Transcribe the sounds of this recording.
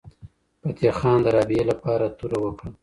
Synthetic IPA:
pat̪jɑxɑnd̪əɾɑbielapɑɾat̪uɾawəkɽa

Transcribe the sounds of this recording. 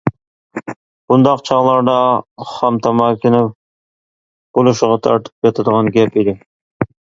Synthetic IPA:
b̥und̪ɑqt͡ʃʰɑʁlˠɑɾd̪ɑχɑmt̪ʰɑmɑkʲɪnɪp | b̥olˠuʃɪʁɑt̪ʰɑ̰ɾt̪ʰɨ̥p̚kɑt̪ʰɨd̪əʁɑnɡʲɛpid̪ɪ

